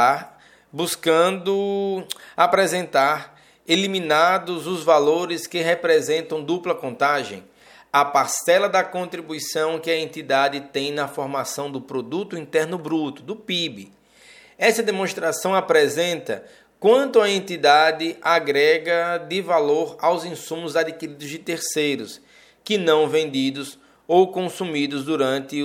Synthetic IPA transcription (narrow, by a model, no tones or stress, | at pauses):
a | buskɐ̃d̪ʊ | apɾɛzẽnt̪aɾ | elimĩnad̪ʊzʊzvaloɾɪskɪɦepɾɛzẽnt̪ɐ̃w̃d̪uplɐkõnt̪aʒḛ̃j̃ | ɐpaɾsɛlɐd̪ɐkõnt̪ɾibuisɐ̃w̃kɪɐẽnt̪id̪ad̪ɪt̪ẽj̃nɐfɔɾmasɐ̃w̃d̪ʊpɾod̪ut̪ʊĩnt̪ɛɾnʊbɾut̪ʊd̪ʊpibɪ | ɛsɐd̪emõst̪ɾasɐ̃w̃apɾɛzẽnt̪ɐ̰ | kwɐ̃nt̪ʊɐẽnt̪id̪ad̪ɪaɡɾɛɡɐd̪ɪvaloɾawzĩsũmʊzad̪ikiɾid̪ʊzd͡ʒɪt̪eɾsejɾʊs | kɪnɐ̃w̃vẽnd̪id̪ʊs | owkõsumid̪ʊzd̪uɾɐ̃nt̪ɪ